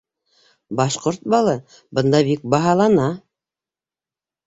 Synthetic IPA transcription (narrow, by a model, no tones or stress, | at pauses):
bɑʃqoɾt̪̚bɑlˠɤ | bɤ̆nd̪ɑbik̚bɑɦɑlˠɑnɑ